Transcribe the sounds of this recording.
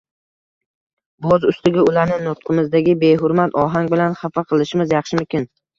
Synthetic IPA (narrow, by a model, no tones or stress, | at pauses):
bɒzʊst̪ɪɡʲaʊlaɾnɪnʊt̪̚qʰɨmɪzd̪aɡʲɪbe̞jɦʊɾmat̪ʰɒɦaŋʲbɪlanχafaqʰɨlˠɪʃɪmɪzjɑχʃɪmʊmkʲɪn